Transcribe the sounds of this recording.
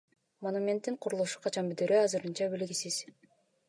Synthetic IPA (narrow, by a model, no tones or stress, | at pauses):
monumʲe̞nt̪ːiɴqʰuɾulˠuʃu̥qʰɑt͡ʃɑnbyd̪øɾøɑzɯɾɯnt͡ʃɑbilɡisiz̥